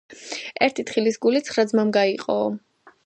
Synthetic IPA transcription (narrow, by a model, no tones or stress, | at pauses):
ɛɾt̪ʰit̪ʰχilisɡulit̪sʰχɾad̪zmamɡaiqʼɔ̰